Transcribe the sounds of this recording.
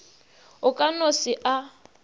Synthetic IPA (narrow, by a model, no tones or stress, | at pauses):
ʊkʼanosɪʔa